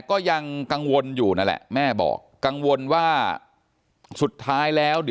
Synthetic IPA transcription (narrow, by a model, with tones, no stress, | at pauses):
kɔː˥˩ja˧ŋka˧ŋwo˧njuː˨˩na˦˥˩lɛ̰˨˩ʔmɛː˥˩bɔ̰ː˨˩kːa˧ŋwo˧nwaː˥˩ | su˨˩t̪ʰːaː˦˥jlɛː˦˥wdi˨